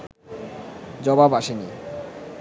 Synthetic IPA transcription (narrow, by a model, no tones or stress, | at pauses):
d͡ʑɔbabaʃeni